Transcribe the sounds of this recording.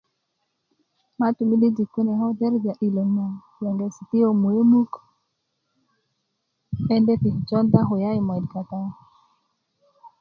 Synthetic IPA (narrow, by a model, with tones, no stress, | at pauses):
ma˦tu˨mi˦di˦d͡ʒi˨kːu˦nɛ˨ɦɔ˦dɛ˦ɾva˨ʔi˨lo˨ma˨ | ja˨ŋɡe˨si˨ti˦jo˨mu˨e˦mu˦k | ɛ˦ndɛ˦ti˨ht͡ʃɔ˦nda˦ɦo˨ja˦jmɔ˨i˨dka˨ta˦